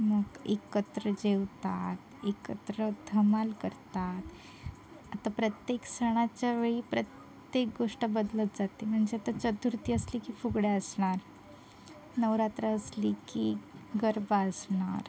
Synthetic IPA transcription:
məɡekət̪ɾəd͡ʑewt̪at̪ekət̪ɾəd̪ʱəmalkəɾt̪at̪ | at̪apɾət̪jeksəɽ̃at͡ɕjaʋeɭipɾət̪ | jek̚ɡoʂʈəbəd̪lət̪d͡zat̪em̤əɳd͡zeat̪at͡ɕət̪uɾt̪iːəslikiːfuɡɽeəsɳ̃aɾ | nəwɾat̪ɾaəslikiɡəɾbaəsɳa̰ɾ

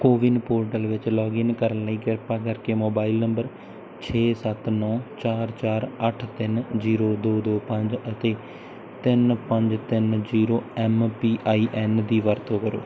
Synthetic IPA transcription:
koːʋɪnpoːɾʈəlʋɪt͡ʃlɔːɡɪnkəɾənləiːɡɪɾpaːkəɾkeːmoːbaːilnəmbəɾ | t͡ʃʰeːsət̪nɔ̃ːt͡ʃaːɾt͡ʃaːɾəʈʰt̪ɪnziːɾoːd̪oːd̪oːpə̃ɲd͡ʒət̪eː | t̪ɪnpəɲd͡ʒt̪ɪnziːɾoːɛːmpiːʔaːiːʔɛːnd̪iːʋəɾt̪õːkəɾo̰ː

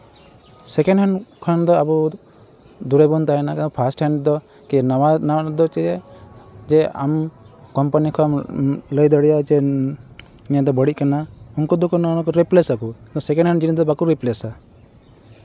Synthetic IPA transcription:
sɛkɛnɖɦɛnkʰand̪ɔabɔ | d̪uɾɛbɔnt̪aɛnakaɔpʰasʈhɛɳɖd̪ɔ | kinaanaad̪ɔt͡ʃɛɛ | d͡ʒɛa̰mkɔmpanikʰɔamləjd̪əɽɛjad͡ʒɛ | nijad̪ɔbəɽiʔ̚kanaunkɔd̪ɔkɔnanakɔɾiplesakut̪ɔ̃sɛkɛ̃nɦɛnd͡ʒinid̪ɔbakuɾiplesa

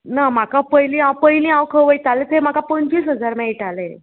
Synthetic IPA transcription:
namakapəjlĩawpəjlĩawkʰəʋəjt̪alet̪em̤akapəɲt͡ɕiːsɦəd͡zaɾmɛiʈale

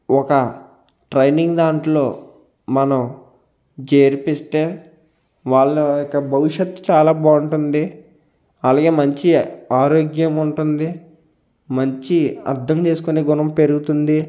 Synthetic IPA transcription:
ɔkɐ | ʈɾɐjniŋɡd̪aːɳʈlo̞ː | mɐnɐm | d͡ʒeːɾpist̪e̞ː | ʋaːɭːɐikːɐbʱɐʋiʂjɐt̪ːu̥t͡ʃaːlaːbaːuɳʈund̪i | ɐlaːɡe̞ːmɐɲt͡ʃiaːɾo̞ːɡjɐmuɳʈund̪i | mɐɲt͡ʃiɐ̰ɾd̪ʱɐmt͡ʃe̞ːsu̥kune̞ːɡunɐmpe̞ɾuɡut̪und̪i

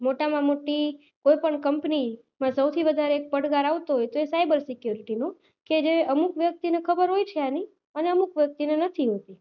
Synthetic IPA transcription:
moʈamãmoʈi | kojpəɳkəmpni | mãsəwt̪ʰiʋəd̪ʱaɾeek̚pəɽɡaɾaʋt̪oɦojt̪oesajbəɾsɪkjuɾiʈino | ked͡ʒeəmukʋjək̚t̪inekʰəbəɾɦojt͡ʃʰeani | əneəmukʋjək̚t̪inenət̪ʰiɦot̪i

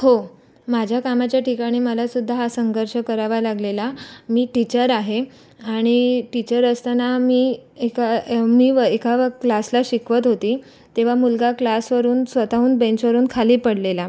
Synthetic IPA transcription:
ho | mad͡ʑʱjakamat͡ɕjaʈʰikaɽ̃iːməlasud̪ʱːaɦasəŋɡʱəɾʂəkəɾaʋalaɡlelamiːʈit͡ɕəɾaɦe | aɽ̃iʈit͡ɕəɾəst̪anamiːekamiːʋəekaklaslaɕikʋət̪ɦot̪iː | t̪eʋ̤amulɡaklasʋəɾuːnsʋət̪auːnbẽɲt͡ɕʋəɾuːnkʰaliːpəɽlela

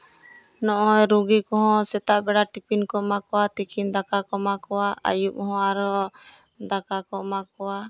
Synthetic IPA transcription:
nɔʔɔjɾuɡikɔɦɔ̃sɛt̪aʔbɛɽaʈipinkɔmakɔwat̪ikʰind̪akakɔmakɔwaa̰jup̚hɔ̃aɾɔ | d̪akakɔmakɔwa

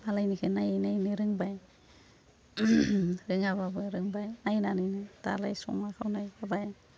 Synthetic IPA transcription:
alajnikʰɯnajnajnɯɾɯŋbaj | ɾɯŋaβabɯɾɯŋbajnajnanɯjnɯd̥a̰la̰jsɔ̰ŋakʰawnajabaj

